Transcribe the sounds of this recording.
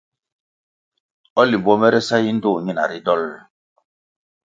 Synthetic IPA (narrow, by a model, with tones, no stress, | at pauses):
ɔ˦li˨bɔ˦mɛ˦ɾɛ˦sa˦ji˦n̩˦do˦˨ɲi˦na̰˨ɾi˦dɔ˦˨l